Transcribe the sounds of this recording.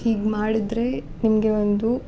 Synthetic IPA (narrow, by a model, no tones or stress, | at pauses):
hiːɡmaːɽid̪ɾe̞nimɐɡe̞ʋond̪u